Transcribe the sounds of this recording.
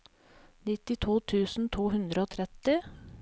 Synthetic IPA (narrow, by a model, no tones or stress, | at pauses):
nɪt̪ɪt̪ʰuːt̪ʰʉːsn̩t̪ʰuːhʉnd̪ɾəoːt̪ʰɾɛt̪ɪ